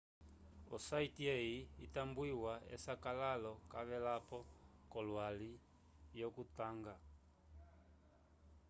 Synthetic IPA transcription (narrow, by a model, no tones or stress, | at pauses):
ɔsaitiɛiitambuiwaɛ̰sakalalɔkaβɛlapɔkɔlwali | jɔkutaŋɡa